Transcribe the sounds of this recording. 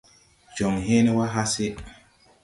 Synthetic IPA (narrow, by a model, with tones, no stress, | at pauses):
d͡ʒɔ˨ŋɦe˦ne˦wa˦ɦa˦se˦